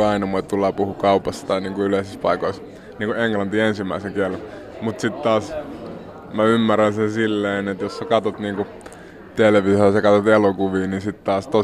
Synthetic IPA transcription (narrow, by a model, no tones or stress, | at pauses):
ɑinɑmoit̪t̪ulːɑːpuhukɑupɑst̪ɑt̪ɑiniːŋkuyleisispɑ̰ikois | niːŋkueŋklɑnt̪iensimːˑæiseŋkiælːe | mut̪sit̪t̪ɑːs | mæymːærænsensilːeinet̪jossekɑt̪ot̪niːŋku | t̪elʋisɑsɑkɑt̪ot̪elokuʋiːninsit̪t̪ɑːst̪o